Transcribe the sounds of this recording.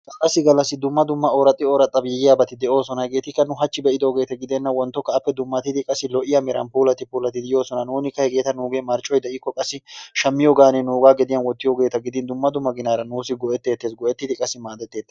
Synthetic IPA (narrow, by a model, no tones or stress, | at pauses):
ɐlɐsːɪɡɐlːɐsːɪd̪ʊmːɐd̪ʊmːɐoːɾɐt̪ʼːɪoːɾɐt̪ʼːɐbjɛjɪjaːbɐt̪ɪd̪ɛʔo̞ːsɔnɐhɛkʼe̞ːt̪ɪkːɐnʊɦɐt͡ʃːɪbɛʔɪd̪o̞ːɡe̞ːt̪ɐɡɪd̪ɛnːɐwɔnt̪ːɔkːɐːpːɛd̪ʊmːɐt̪ɪd̪ɪkʼɐsːɪlɔʔɪjɐmɛɾɐ̰npuːlɐt̪ːɪpuːlɐt̪ːɪd̪ɪjo̞ːsɔnɐnuːnɪkːɐhɛɡʼe̞ːt̪ɐnuːɡeːmɐɾt͡ʃʼːɔjd̪ɛʔɪkːɔkʼɐsːɪʃɐmːɪjoːɡaːnenuːɡaːɡɛd̪ɪjɐnwɔt̪ːɪjoːɡe̞ːt̪ɐɡɪd̪ɪnd̪ʊmːɐd̪ʊmːɐɡɪnaːɾɐnuːsɪɡɔʔɛt̪ːe̞ːt̪ːeːsɡɔʔɛt̪ːɪd̪ɪkʼɐsːɪmaːd̪ɛt̪ːe̞ːt̪ːɛ̥